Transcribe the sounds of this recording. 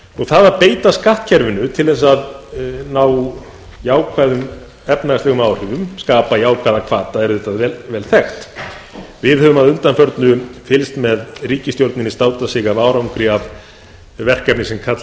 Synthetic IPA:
ɔɣθaðaɾpeːjt̪askaht̪cʰɛɾvɪnʏt̪ʰɪlðɛs̬aðnaːw | jaːwkʰvaːjðʏm | ɛpnalɛɣʏmawr̥ɪvʏmskaːpajaːwkʰvajðakʰv̥aːt̪aɛɾʏðɪht̪ːaðvɛvɛːlθɛxt̪ | vɪðhœːvʏmaðʏnt̪anfœɾt̪nʏfɪlst̪mɛðriːcɪst̪jowɾt̪nɪnist̪aːwt̪asɪɣavaːwɾawŋkɾɪav | vɛr̥kɛpnɪsɛmkʰat̪

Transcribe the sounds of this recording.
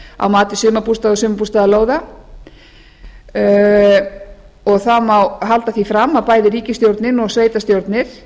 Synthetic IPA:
a̰wmaːt̪ɪsʏːmapust̪aðɔsʏːmapust̪aðaloːwða | ɔɣθamawɦalt̪aθifɾamːapaːjðɪɾiːcɪst̪jowɾt̪nɪnɔɣsveːjt̪ast̪jowɾt̪nɪɾ̥

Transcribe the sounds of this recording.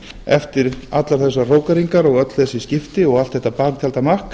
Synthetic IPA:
ɛft̪ɪɾat̪laɾ̥θɛsːaroːwkaɾiŋkaɾɔɣœt̪lɛsɪscɪft̪ɪɔɣalt̪θɛht̪apaːk̚t̪ʰjalt̪amahk

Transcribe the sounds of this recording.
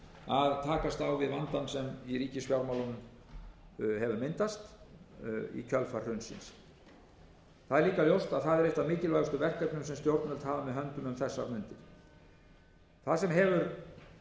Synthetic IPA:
aðt̪ʰaːkast̪awvɪðvant̪ansɛmiɾiːcɪsfjawɾmawlʏnʏm | hɛvʏɾmɪnt̪ast̪ | ḭcʰœlfar̥rʏnsɪ̰ns | θaðɛɾliːkaljowst̪aðθaðɛɾejht̪amɪːcɪlvajɣʏst̪ʏvɛr̥kœpnʏmsɛmst̪jowɾt̪nvɛlt̪haːlamɛðɦœnt̪ʏmʏmθɛsːaɾmʏnt̪ɪɾ̥ | θaðsɛmɦɛvʏɾ

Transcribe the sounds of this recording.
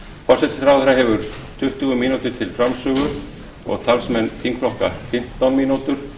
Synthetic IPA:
fɔr̥sɛt̪ɪ̥sθɾaːwθɾaɦɛvʏɾ̥ | t̪ʰʏht̪ʏɣʏminut̪ɪɾ̥t̪ʰɪlfɾamsœːɣʏ | ɔ̰ɣt̪ʰalsmɛnːθiŋkfɾɔhka̰ɾfɪm̥t̪awnminut̪ʏɾ̥

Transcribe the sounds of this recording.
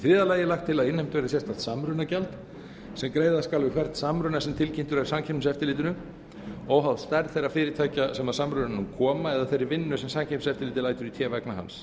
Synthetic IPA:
θɾɪːðalaːjɪlaxt̪ʰːɪlaðɪnhɛjmt̪vejɾasjɛst̪ant̪samɾʏnacalt̪ | sɛmkɾejðaskalvɪkʰvɛr̥t̪samɾʏnasɛmt̪ʰɪlcɪnt̪ʏɾɛɾ̥samcʰɛsɛft̪ɪlɪːt̪̬ʏnʏm | ɔwɦaðst̪aɾðθejrːafɪːɾɪt̪ʰaːjcasɛmaðsamɾʏnanʏmkʰɔːmaɛðaθejɾːɪɾvɪnːʏsɛmsamcʰɛpsɛft̪ɪlɪːt̪ɪlajt̪ʏɾit̪ʰjɛːvɛknaɦa̰ns

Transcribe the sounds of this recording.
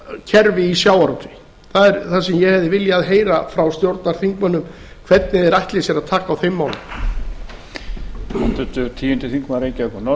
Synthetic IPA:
cʰɛɾvɪisjaːwaɾowt̪ɪ̥ | θaðɛɾθasɛmjɛhɛvðɪvɪljaðɦeːjɾafɾawst̪jowɾt̪naɾ̥θiŋkmanːʏm | kʰvɛt̪nɪðɛɾajht̪lɪsjɛɾaðt̪ʰaːkaːwθejmːaːwlʏ̰m | ɛt̪ʏt̪ʏt̪ʰiːjʏnt̪ɪθiŋkmaɾeːjcaɛkɔnɔ

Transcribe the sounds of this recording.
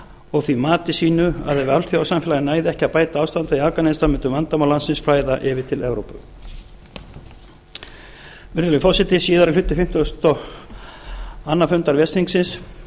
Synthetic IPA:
ɔɣθvimaːt̪ɪsiːnʏa̰ðɛvɪawlθjaawsamfɛlaɣɪnaːjðɪɛhcɪapaːjt̪aaːwst̪ant̪aiavkanenst̪amɛnt̪ʏmvant̪amawlansɪnsfɾaːjðaʔɪvɪt̪ʰɪlɛvɾowpʏ̰ | vɪɾðɪlʏfɔsɪt̪ɪsiːðaɾaklʏt̪ːɪfɪm̥t̪ɔst̪ɔ | anːafʏnt̪aɾvjɛst̪iŋksɪns

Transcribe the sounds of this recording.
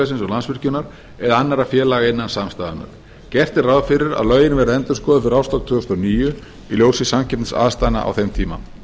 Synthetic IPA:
ɛsɪnsɔɣlansvɪr̥cʏnaɾ̥ | ɛðanːaɾafjɛːlaːɣaɪnːansamst̪aːðana̰ɾ̥ | cɛr̥t̪ɪraðfɪɾɪɾa̰ðlœːɥjɪnvɛɾðɛnt̪ʏɾskɔːðʏfɪɾawst̪ɔkt̪ʰʏːɣʏst̪ɔniːjʏ | iljowsɪsamcʰɛpt̪sa̰ːst̪ajna̰ʔa̰wθɛjmt̪ʰiːma̰n

